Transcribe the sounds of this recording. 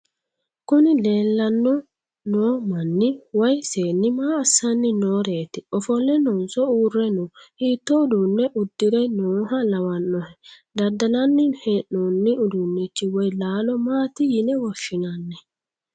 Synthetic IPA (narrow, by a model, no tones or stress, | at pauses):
kɔnilɛːlːanːɔ | nɔmanːiwajseːnːimaːsːanːinɔːɾeːt̪iɔfɔlɛnɔnsɔuɾːɛnɔhiːt̪ːɔudunːɛʔudːiɾɛnɔːhalawanːɔhɛ | dadːananːinhɛnɔnːiudunːit͡ʃːiwɔjlaːlɔmaːt̪ijinɛwɔʃinanːɛ